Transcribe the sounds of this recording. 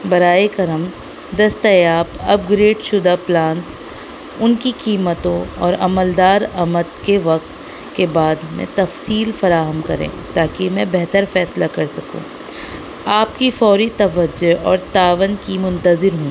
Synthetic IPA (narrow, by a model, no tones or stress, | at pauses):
bɐɾaːekɐɾəm | d̪ɐst̪ajaːpɐp̚ɡɾeːɖʃʊd̪aplãːns | ʊnkikiːmət̪õɔːɾɐməld̪aːɾɐmət̪keʋɐk̚t̪ | kebaːd̪mḛ̃t̪ɐfsiːlfɐɾaːɦəmkɐɾḛ̃ːt̪aːkimɛ̃bɛɦt̪əɾfɛːslakɐɾsɐkṵ̃ː | aːpkifɔːɾit̪ɐʋəd͡ʒːoɦɔːɾt̪aːʋənkimʊ̃nt̪əzɪɾɦũː